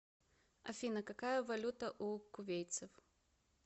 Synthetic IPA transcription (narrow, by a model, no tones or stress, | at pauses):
ɐfʲinɐkakajəvɐlʲut̪əʔukʊvʲejt̪sɨf